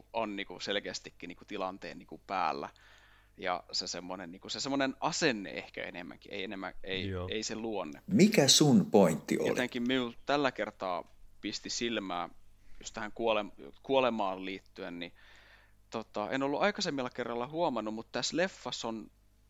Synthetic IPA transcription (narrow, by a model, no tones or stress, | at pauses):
onːiːkuselkeːst̪ikːiniːkut̪ilɑnt̪ḛːnniːkupæ̰ːlːæ̰ | jɑ̰sesemːonenniːŋkusesemːˑonenʔɑsenːḛʔḛhkæ̰ḛnḛmːæ̰ŋkiḛienemːæ̰eieiseluonːemikæsunpoint̪ːḭoo̰l̰eŋkimminult̪ælːækert̪ɑːpist̪isilmæ̰ːjust̪æhæŋkuolemkuolemɑːlliːt̪ːyenni | t̪ot̪ɑʔḛnolːuʔɑikɑsemːilːɑkerːɑlːɑhuomɑnːummut̪t̪æslefːɑson